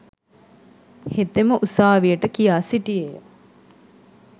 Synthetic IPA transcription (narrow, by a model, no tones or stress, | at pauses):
het̪eməʔusaːʋijəʈəkijaːsiʈijejə